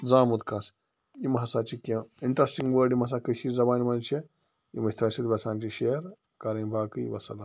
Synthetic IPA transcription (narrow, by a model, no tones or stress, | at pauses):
d͡zaːmud̪kʰɐs | imɦɐsaːt͡ʃikẽiɳʈɾɐsʈĩŋɡʋəːɖimɦɐs̬akɐʃiːzɐbaːnimɐnt͡ʃʰe | imɐsʲt̪ʰɾɐsit̪bɐsaːnt͡ʃiʃeɐɾ | kɐɾɐbʱaːkɨḭʋɐ̰sɐ̰la